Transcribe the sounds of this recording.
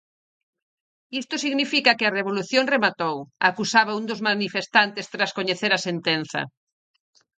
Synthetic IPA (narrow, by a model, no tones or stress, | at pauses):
ist̪ʊsiɣnifikɐkɪɐreβoluθjoŋremat̪owakusaβaund̪ozmanifest̪ant̪est̪ɾaskoɲeθeɾɐsent̪enθɐ̰